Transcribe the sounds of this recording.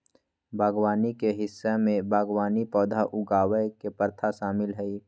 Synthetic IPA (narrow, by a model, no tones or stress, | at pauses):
bʱaːɡwaːnikeɦɪsːemẽbʱaːɡwaːnipɔːd̪ʱaʔʊɡaːwəjkepəɾt̪ʰaʃaːmɪlɦɛi